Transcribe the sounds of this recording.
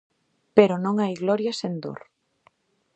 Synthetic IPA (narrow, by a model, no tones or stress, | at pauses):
peɾonõŋajɣlɔɾjasend̪o̰ɾ